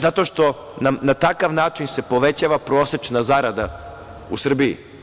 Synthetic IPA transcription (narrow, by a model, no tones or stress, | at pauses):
zat̪o̞ʃt̪o̞ | namnat̪akaʋnaːt͡ʃinse̞po̞ʋe̞t͡ɕaːʋapɾo̞ːse̞t͡ʃnazaɾad̪a̰ | usr̩biḭ